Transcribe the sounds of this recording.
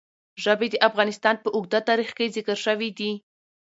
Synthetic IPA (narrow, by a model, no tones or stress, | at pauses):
ʒəbed̪əʔafɣɑnɪst̪ɑnpəʔʊɡd̪at̪ɑɾixkezɪkəɾʃəwid̪i